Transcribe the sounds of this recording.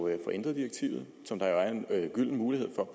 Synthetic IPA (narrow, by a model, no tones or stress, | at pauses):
fɒ̽ʔe̝n̰d̥ʁɐðˠd̥iɐɡ̥̚t͡sʰḭʊð̩ˠ | sɒ̽md̥ɑ̈joæɐe̝nɡ̥yl̰n̩muːlihe̝ð̞̰ˠfɒ̽